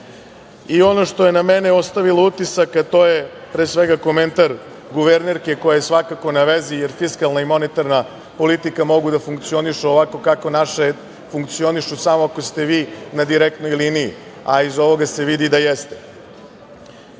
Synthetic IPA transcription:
io̞no̞ʃt̪o̞je̞nameneo̞st̪aʋilout̪isakat̪oje̞ | pɾeːsʋeɡako̞ment̪aɾ | ɡuʋeɾneɾke̞ko̞jajesʋakako̞naʋezije̞ɾfiskalˠnaimo̞net̪aɾna | po̞lit̪ikamo̞ɡud̪afuŋkt̪sio̞niʃuoʋako̞kako̞naʃe | fuŋkt̪sio̞niʃusamoako̞st̪e̞ʋiːnad̪iɾek̚t̪no̞jliniḭ | aizo̞ʋo̞ɡase̞ʋid̪id̪ajest̪e

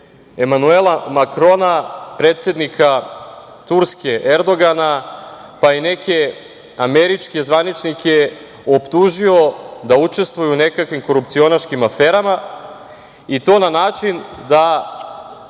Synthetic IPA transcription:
emanuelˠamakɾo̞napɾeːt̪se̞d̪nikʰa | t̪uɾske̞ʔeɾd̪o̞ɡanapaine̞ke̞ | ame̞ɾit͡ʃke̞zʋanit͡ʃnike | opt̪uʒio̞d̪aut͡ʃe̞st̪ʋujune̞kakʋimko̞ɾup̚t̪sio̞naʃkimafeːɾama | it̪o̞ːnanaːt͡ʃind̪a

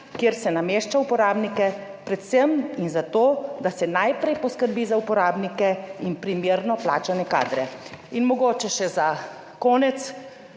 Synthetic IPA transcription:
kjeɾsɛnameːʃt͡ʃaupɔɾaːbnikɛ | pɾɛt̪sɛminzat̪oːd̪asɛnajpɾɛjpɔskəɾbiːzaupɔɾaːbnikɛinpɾimjeːɾnɔpla̰ːt͡ʃanɛka̰ːd̪ɾɛinmɔɡoːt͡ʃɛʃɛza | kɔːnɛt̪s

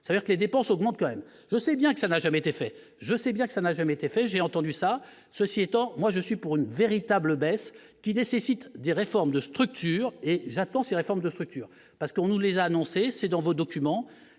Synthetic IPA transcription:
savəd̪iʁkəled̪epɑ̃sɔɡmɑ̃t̪̚kɑ̃mɛm | ʒəsɛbjɛ̃kə̥sanaʒamɛet̪efɛ | ʒəsɛbjɛ̃kəsanaʒamɛet̪efɛʒeɑ̃t̪ɑ̃d̪ysa | səsiɛt̪ɑ̃mwaʒəsɥipuʁynveʁit̪abləbɛs | kʲinesesit̪d̪eʁefɔʁmd̪əst̪χyk̚t̪ʰyːʁeʒat̪ɑ̃seʁefɔʁmd̪əst̪χyk̚t̪yːʁ | paʁsə̥kəɔ̃nulezaːnɔ̃sesɛd̪ɑ̃vod̪ɔkʲymɑ̃

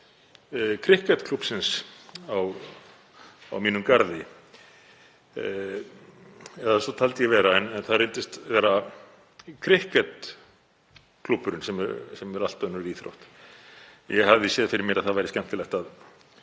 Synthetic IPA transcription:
kʰɾɪhkɛt̪kʰl̥upsɪnsaw | a̰wmiːnʏmkaɾðɪ | ɛðasɔt̪ʰalt̪jɛvɛːɾaɛnɛnθaðrent̪ɪst̪vɛːɾa | kʰɾɪhkɛt̪ | kʰlupːʏɾʏnsɛmsɛmɛɾal̥t̪œnʏɾiːθɾo̰wht̪ | jɛɦavðɪsjɛːðfɪɾɪɾmjɪɾaðθaðvajɾɪscɛn̥t̪ɪlɛht̪að

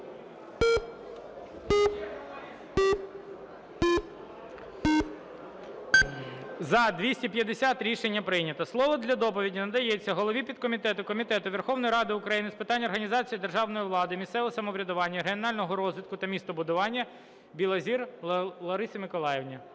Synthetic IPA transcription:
zɐd̪ʲʋʲisʲtʲipʲjɐd̪esʲat̪ɾʲiʃenʲːɐpɾɪjnʲɐt̪ɐslˠɔʋɔd̪lʲɐd̪ɔpɔʋʲidʲinɐd̪ɐjɛt͡sʲːɐɦɔlˠɔʋʲipʲid̪̚kɔmʲit̪ɛt̪ʊkɔmʲit̪ɛt̪ʊʋerxɔwnɔjiɾɑd̪ɪʊkɾɐjinɪspɪt̪ɑnʲɔrɦɐnʲizɑt͡sʲijid̪erʒɑwnɔjiʋlˠɑd̪ɪmʲist̪sɛʋɔsɐmɔʋɾʲɐd̪ʊʋɑnʲːɐɦenɑlʲnɔɦɔɾɔzʋʲɪt̪kʊt̪ɐmʲist̪ɔbʊd̪ʊʋɑnʲːɐ | bʲilˠɐzʲirlˠɐɾɪsʲɐmɪkɔlˠɑjewnʲɐ

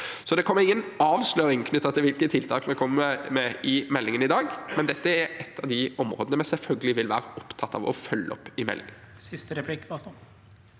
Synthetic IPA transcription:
sɔd̪ɛkʰɔmːəɾɪŋːənɑːʋsløːɾɪŋkʰnʏt̪ːɑt̪ɪlʋɪlkət̪ʰɪlt̪ʰɑːkmɛkʰɔmːəmɛɪmɛlːɪŋənɪd̪ɑːɡmɛnd̪ɛt̪ːəæɾɛt̪ʰːɑʋd̪ɪɔmɾo̰ːd̪ənəmɛsɛlfœlɡəlɪʋɪlʋæ̰ːɾəʔɔpt̪ʰɑt̪ːɑ̰ʋɔ̰fœlːəɔpːɪmɛ̰lːɪ̰ŋən | sɪst̪əɾɛplɪkːbɑst̪u

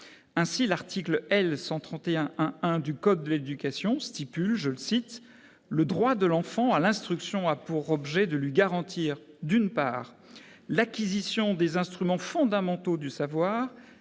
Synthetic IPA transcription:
ɛ̃silaʁt̪ʰikləɛlsɑ̃t̪χɑ̃t̪eɛ̃ʔɛ̃ɛ̃d̪ykɔd̪̚ːəled̪ykʲasjɔ̃st̪ipylʒələsit̪ | ləd̪ʁwad̪əlɑ̃fɑ̃alɛ̃st̪χyksjɔ̃apuʁɔbʒɛd̪əlɥiɡaʁɑ̃t̪ʰiːʁ | d̪ynpa̰ːʁ | lakʲizisjɔ̃d̪ezɛ̃st̪χymɑ̃fɔ̃d̪amɑ̃t̪od̪ysavwaːʁ

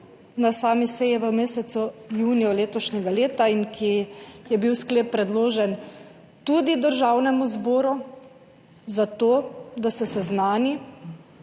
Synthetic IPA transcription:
nasaːmisɛjɛʋəmeːsɛt̪sujuːnijɔleːt̪ɔʃnʲɛɡaleːt̪aiŋkʰijɛbiwskleːpːɾɛd̪loːʒɛn | t̪ud̪id̪əɾʒawnɛmuzboːɾu | zat̪oːd̪asɛsɛznaːni

